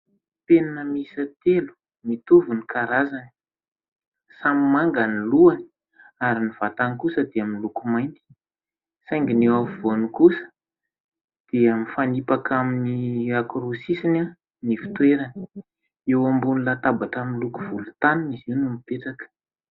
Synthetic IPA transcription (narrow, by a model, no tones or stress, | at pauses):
penanəmisət̪elu̥ | mit̪uvunikaɾazani̥ | samimaŋɡaniluani̥ | aɾiniv̥at̪ankusəd̪eaminlukumajnt̪i̥ | sajŋɡinewavivonikusə̥ | d̪̥eamifanipakʰaminiakɾosisina | nifi̥t̪weɾani̥ | ewambunilat̪abaʈ͡ʂaminlukuvulut̪aniniziwnumipeʈ͡ʂakə̥